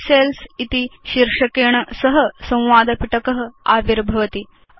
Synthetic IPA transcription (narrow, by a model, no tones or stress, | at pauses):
selsit̪iɕiɾʂɐkeɳɐsɐɦɐ̆sɐ̃w̃ʋaːd̪ɐpiʈɐkɐɦɐ̆aːʋiɾbʱɐʋɐt̪i